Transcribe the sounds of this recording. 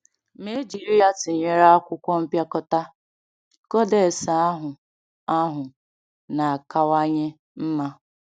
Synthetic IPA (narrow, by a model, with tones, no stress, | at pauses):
me˦d͡ʒi˨ɾi˦a˦tɪ˨ɲe˦ɾa˦a˦kʷʊ˦kʷɔ˦m̩˦pja˦kɔ˦ta˦ | kɔ˦de˨sa˨a˦ɦʊ˨ | a˦ɦʊ˨ | na˨a˨ka˦wa˦ɲɪ˦ | m̩˦ma˦